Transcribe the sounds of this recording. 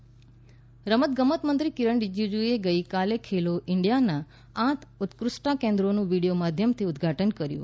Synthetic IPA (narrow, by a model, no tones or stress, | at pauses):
ɾəmət̪̚ɡəmət̪mənt̪ɾikiɾəɳɖid͡ʒud͡ʒueɡəjkalekʰeloʔɪɳɖijanã | ãt̪ʰʊt̪kɾʊʃʈakẽnd̪ɾonũʋiɽijomad̪ʱjəmt̪ʰiʊd̪ɡʱaʈənkəɾjṵ